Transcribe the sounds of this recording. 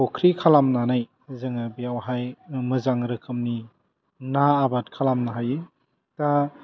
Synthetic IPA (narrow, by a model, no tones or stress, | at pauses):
ɔkʰɾikʰalamnanaj | zɯŋabiawɦajmɯzaŋɾɯkʰɯmni | naːbat̚kʰalamnaɦajɯ | ta